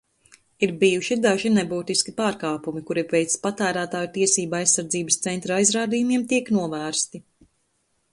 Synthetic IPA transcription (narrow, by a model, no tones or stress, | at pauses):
iɾbijuʃid̪aʒinebuːt̪iskʲipaːɾkaːpumikuɾiɾvɛjt̪spat̪æːɾæːt̪aːjut̪iɛsiːbajsːaɾd̪ziːbəst̪sɛnt̪ɾaajzɾaːd̪ijumiɛmt̪iɛknuɔvæːɾst̪i